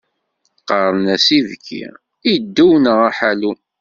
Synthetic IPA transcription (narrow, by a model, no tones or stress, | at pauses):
qɑɾˤənæsiðkʰːḭ | id̪ːuwnəʁæħalu